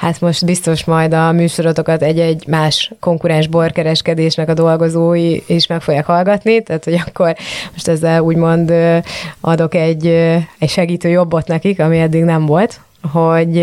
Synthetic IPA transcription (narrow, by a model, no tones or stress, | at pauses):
hat̪mo̞ʃt̪bist̪o̞ʃmɒjd̪ɒmyːʃo̞ɾot̪o̞kɒt̪ɛɟːɛɟmaːʃko̞ŋkuɾɛnʒbo̞rkɛɾɛʃkɛd̪eːʃnɛkɒd̪o̞lɡo̞zoːjieʃmɛkfo̞ɡjaːkhɒlɡɒt̪nit̪aːt̪ho̞ɟɒkːo̞rmo̞ʃt̪ɛzːɛluːɟmo̞nd̪ʔɒd̪o̞kɛɟːɛcʃɛɡiːt̪øːjo̞bːo̞t̪nɛkikɒmiɛd̪ːiɡnɛɱvo̞lt̪ | ɦo̞ɟ